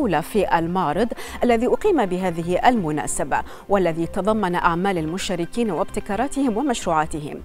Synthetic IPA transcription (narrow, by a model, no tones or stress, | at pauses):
wlafiːʔalmɑːɾˤɨd̪ˤʔalːaðiʔʊqiːmabɪɦaːðɪɦɪʔalmʊna̰ːsaba̰ | walːaðit̪ɑðˤɑmːɑnaʔaʕmaːlalmʊʃaːɾɪkiːnwɪbt̪ɪkɑːɾˤɑːt̪ɪhɪmwɪmaʃɾuːʕaːt̪ɪɦɪ̰m